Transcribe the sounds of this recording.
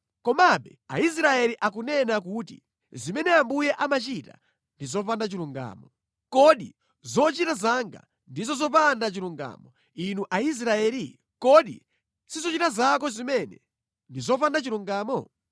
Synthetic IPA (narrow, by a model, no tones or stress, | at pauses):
kɔmaɓɛa̰is̬ɾaɛliʔakunɛnak̬utḭ | zimɛnɛambujɛʔamat͡ʃita̰ | ndizɔpandat͡ʃiluŋɡa̰ːmɔ | kɔɗḭ | zɔt͡ʃitazaŋɡa̰ | ndizɔzɔpandat͡ʃiluŋɡa̰ːmɔ | inuʔais̬ɾaɛːli | kɔɗḭ | sizɔt͡ʃitazakɔzimɛnɛ̰ | ndizɔpandat͡ʃiluŋɡaːmɔ